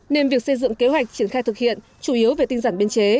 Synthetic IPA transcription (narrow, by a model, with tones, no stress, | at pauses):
ne˧nvi˨˩ək̚sə˧jzɨ̰˧˨ŋke˨˦hɦwa˨˩jk̚t͡ɕi˧˩ənxaː˧jt̪ɨ˨˩k̚hḭ˧˨ən | t͡ɕu˧˩ʔi˨˦əwve˨˩t̪i˧ŋ̟zaː˧˩nɓi˧ənt͡ɕe˨˦